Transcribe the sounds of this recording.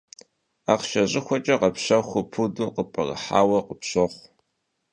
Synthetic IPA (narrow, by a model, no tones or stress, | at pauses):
aːqʃɐʑʼɪxʷɔt͡ʃʼɐqɐpɕɐxʷʊpʰuduqəpʼɐrɐ̰ħa̰ːwɐqəpɕɐχʷ